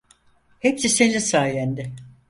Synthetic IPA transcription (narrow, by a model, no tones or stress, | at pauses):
hepsise̞nisaːjænd̪ɪ